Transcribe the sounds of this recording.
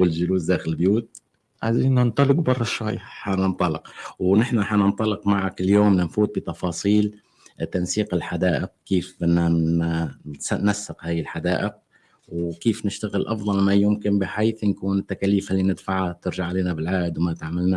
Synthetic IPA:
wɪlʒʊluːsd̪aːxɪlbjuːt̪̚ | ʕaziːnant̪ˤɑlɪqbɑrˤːɑʃwa̰jːħanɪnt̪ˤɑlɪqwnɪħnaħanɪnt̪ˤɑlːɪqmaʕakɪljoːmnɪnfuːt̪̚bit̪ɑfɑːsˤiːl | t̪ːansiːqɪlħad̪aːʔɪq̚kiːfbɪnːaasanasːɪqhaːjɪlħad̪aːʔɪq̚ | wkiːfnɪʃt̪aɣɪlʔɑfd̪ˤɑlajʊmkɪnbɪħaːθnkuːnɪt̪ːakaːliːfhalːinɪd̪faʕat̪ɪɾʒaʕːaleːnabɪlʕaːd̪wmat̪aʕmɪlna

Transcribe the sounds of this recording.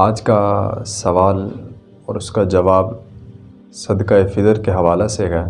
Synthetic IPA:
aːd͡ʒkasɐʋaːl | ɔːɾʊskad͡ʒɐʋaːb | sɐd̪kaːefɪt̪əɾkeɦɐʋaːleseɡɛ

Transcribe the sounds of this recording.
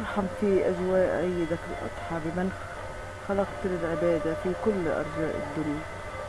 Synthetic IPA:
ʔɑɾˤħamfiʔazwaːʔʕɪjːɪd̪akɪlʔɑ̰t̪ˤħɑbɪmɪnx | xɑlɑqt̪lɪlʕɪbaːd̪afikʊlːʔɑ̰ɾˤd͡ʒaːʔɪ̰d̪ːʊnːa

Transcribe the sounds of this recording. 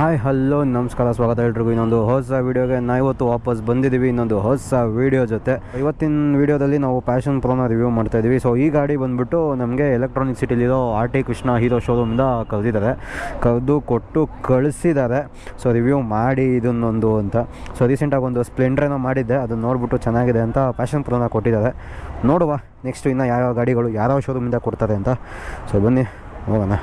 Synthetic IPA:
ɦaːjɦɐlːoːnɐmɐskaːɾɐsʋaːɡɐt̪ɐɦeːɭɖɾiɡuinːond̪uɦɔs̬ɐʋiːɽijoːɡenaːʋiʋɐt̪ːuʋaːpɐs̬bɐnd̪id̪iːʋiːnːond̪uɦɔːsɐʋiːɽijod͡ʒot̪e̞iʋɐt̪ːinʋiːɽijod̪ɐlːinaːʋupʲaːʃɐnpɾoːnɐɾiʋjumaːɖt̪aːjd̪iːʋisoːiːɡaːɽibɐnd̪biʈːunɐmɡe̞ːlek̚ʈɾoːniksiʈiliɾoaːɾʈikɾiʂɳɐɦiːɾoːʃoːɾumind̪ɐkɐɾd̪id̪aːɾe̞kɐɾd̪ukoʈːukɐɭsid̪aːɾe̞ | soːɾiʋjuːmaːɽiːd̪ɐnːond̪uɐnt̪ɐsoːɾiːseɳʈaːɡond̪uspleɳɖɐɾenːɐmaːɽid̪ːeɐd̪ɐnːo̞ːɖbiʈːut͡ʃɛnːaːɡid̪e̞ɐnt̪ɐpʲaːʃɐnpɾonɐkoʈːid̪aːɾe̞ | noːɽuʋa | neksʈuinːɐjaːjaɡaːɽiɡɐɭujaːɾaːʋʃoːɾumind̪ɐkoɽt̪aːɾe̞ɐnt̪ɐsoːbɐnːi | ɦoːɡɐna

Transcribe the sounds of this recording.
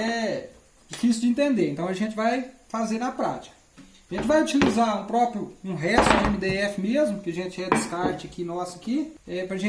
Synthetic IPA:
ɛ | d͡ʒifisjʊwd͡ʒɪẽnt̪ẽnd̪eɾẽnt̪ɐ̃w̃ɐʒẽnt͡ʃɪvajfazeɾnɐpɾa̰t͡ʃi̥kɐ̥ | aʒẽnt͡ʃɪvajut͡ʃilizaɾũpɾɔpɾjʊũɦɛst̪ʊd̪ẽmid̪eɛfɪmezmʊkɪɐʒẽt͡ʃɪɛd͡ʒɪskaɾt͡ʃɪɐkinɔsʊɐkiɛpɾɐʒẽ

